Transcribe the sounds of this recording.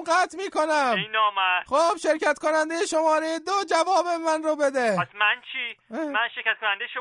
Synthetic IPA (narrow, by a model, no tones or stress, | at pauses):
mɢæt̪ʰmiːko̞næmeinɒːmæxob̥ʃe̞ɾcʰæt̪ko̞nænd̪e̞jeʃomɒːɾejed̪od͡ʒævɒːbe̞mænrobed̪epasmænt͡ʃʰimænʃeɾkʲæt̪̚kʰonænd̪ejeʃ